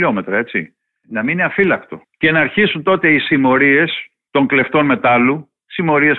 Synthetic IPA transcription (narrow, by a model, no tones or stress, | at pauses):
o̞me̞t̪ɾɐe̞t͡sḭ | nɐmiineɐfilɐkt̪o̞̰ | ce̞nɐːɾçisunt̪o̞t̪e̞isimo̞ɾie̞s | t̪o̞ŋkle̞ft̪o̞nme̞t̪ɐlu | simo̞ɾie̞s